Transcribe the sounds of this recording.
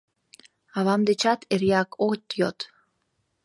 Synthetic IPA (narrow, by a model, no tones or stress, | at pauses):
ɑβɑmd̪et͡ɕɑt̪eɾjɑkot̪jot̪